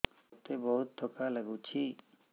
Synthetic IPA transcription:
t̪ebɔɦut̪̚d̪ʱɔkalaɡut͡ɕʰi

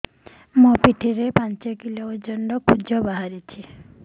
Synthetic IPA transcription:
mupiʈʰiɾepant͡ʃɔkilood͡ʒɔnɖɔkʰud͡ʒɔbaɦaɾit͡ʃʰi

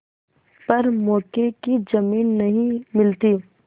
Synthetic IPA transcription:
pɐɾmɔːkekid͡ʒɐmiːnːɐɦĩmɪlt̪iː

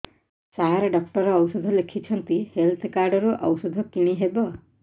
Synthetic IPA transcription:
saɦaɾeɖɔk̚ʈɔɾɔːwsɔd̪ʱɔlekʰit͡ʃʰɔnt̪ihelt̪ʰkaɾɖɔɾuʔɔ̰wsɔd̪ʱɔkiɽ̃iɦebɔ

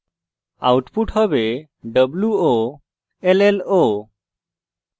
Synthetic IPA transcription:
a̰wʈpuʈhəbe | ɖəbluo | elelo

